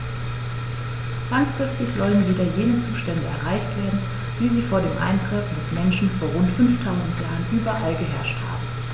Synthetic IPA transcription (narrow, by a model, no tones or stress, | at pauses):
lanskʁ̥ɛstəçz̥ɔlənviːdɐjeːnət͡suːʃtɛndəɛ̰ɐʁaɪçtv̥eːɐdn̩ | v̥iːziːfoːɐɾeːmʔa̰ɪntʁ̥ɪfdɛsmɛnʃn̩foːɐʁʊntfʏnftʰaʊzn̩tjaːʁənʔyːbɐʔalɡəɦɛɐʃtha̰ːbm̩